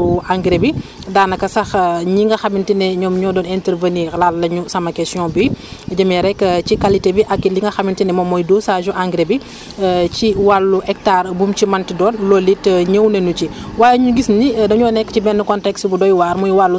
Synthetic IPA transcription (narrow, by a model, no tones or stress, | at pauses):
ʔaŋɡɾebi | daːnːɐkɐsɐxɲiŋɡɐxɐmintinɛɲɔːmɲɔːdɔːnɛntɛɾvənilaːllɐɲusɐmɐkɛsjɔ̃biɟɐmɛɾɛkːcikalitebiʔɐkːiliŋɡɐxɐmintinɛmɔmːɔjdosaʒuʔaŋɡɾebi | ciwalːuʔɛk̚taːrbumcimɐntidɔːnlɔlitɲəwnenuciwaːjɛɲuɡisnidɐɲɔːnɛkːəcibɛnːəkɔntɛksbudɔjwaːɾmɔjwalːu